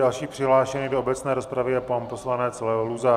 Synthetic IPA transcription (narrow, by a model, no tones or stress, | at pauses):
alʃiːpr̥ɪɦlaːʃɛnɪdoobɛt͡snɛːɾo̞spɾavɪjɛpampo̞slanɛt͡slɛoluza